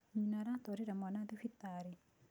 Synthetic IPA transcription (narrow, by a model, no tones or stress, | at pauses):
ɲinaɾat̪oɾiɾamanad̪ifit̪ːaɾi